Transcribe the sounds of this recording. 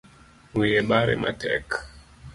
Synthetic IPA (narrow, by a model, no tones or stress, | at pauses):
wijɛɓaɾɛ̰ma̰tɛ̰k